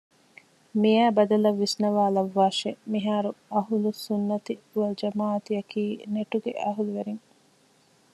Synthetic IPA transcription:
mijæːbɐd̪ɐlɐʋːisnɐʋaːlɐʋːaːʃemiɦaːɾuɐɦulusunːɐt̪iuɐld͡ʒɐmaːɐt̪iɐkiːneʈuɡḛʔɐɦuluʋeɾiŋ

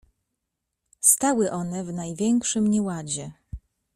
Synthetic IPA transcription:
st̪awɘʔɔnɛvnajvʲjɛŋkʂɘmɲɛwad͡ʑɛ

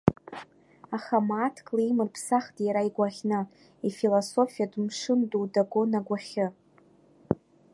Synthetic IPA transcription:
aχamaːtʰkʼlijmɨrpʰsaχtʼjaɾaiɡʷaχʲna | ifilosofijadmʂɨndudaɡonaɡʷaχʲɪ

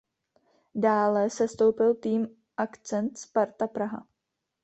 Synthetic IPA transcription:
daːlɛsɛst̪owpɪlt̪iːm | ʔakt͡sɛnt̪spaɾt̪apɾaɦa̰

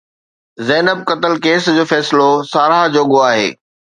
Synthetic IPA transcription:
zɛːnəb̚kɐt̪əlkeːsd͡ʑoːfɛːsɪlosaːɾad͡ʑoːɠoaːɦḛː

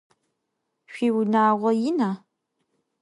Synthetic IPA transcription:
ɕʷiwnaːʁʷɔjɪna

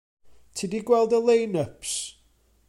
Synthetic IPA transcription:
tʰidiɡwɛlˠdəlˠejnəpʰs

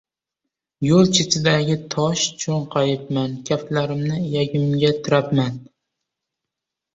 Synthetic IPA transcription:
jolˠt͡ʃʰɪt̪ʰɪd̪aɡʲɪt̪ʰɒʃt͡ʃʰoɴqʰɑjɪp̚mankʲʰaflaɾɪmnɪjaɡʲɪmɡʲat̪ʰɪɾapman

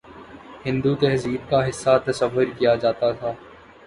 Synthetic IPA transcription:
hɪ̃nd̪ut̪ɛɦziːd̪̚kaɦɪsːat̪ɐsəʋːʊɾkijad͡ʒaːt̪at̪ʰaː

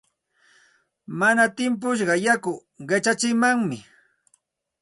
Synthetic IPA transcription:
manat̪ɪmp̬ʊʃ̬ɢɑjakʊ | ɢet͡ʃat͡ʃɪmaŋmɪ

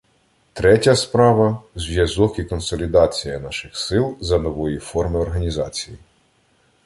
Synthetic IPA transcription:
t̪ɾɛtʲɐspɾɑʋɐzʋʲjɐzɔkikɔnsɔlʲid̪ɑt͡sʲijɐnɑʃɪxsɪlˠzɐnɔʋɔjifɔrmɪɔrɦɐnʲizɑt͡sʲiji

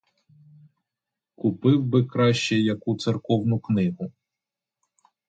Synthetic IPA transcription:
kʊpɪwbɪkɾɑʃt͡ʃɛjɐkut̪sɪrkɔwnʊknɪɦʊ

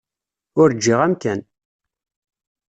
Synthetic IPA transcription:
ʊɾd͡ʒːiʁæmkæn

